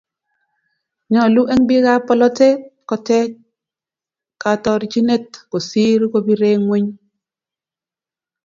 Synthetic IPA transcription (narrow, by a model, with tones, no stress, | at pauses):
ɲɔ˨lu˦ʔe˦ŋbɪ˦ka˦pɔ˦lɔ˦te˦kɔ˨tɛ˦ | ka˨tɔ˦ɾi˨t͡ʃi˦ne˦tko˨si˦ɾko˦bi˦ɾe˦ŋwe˦ɲ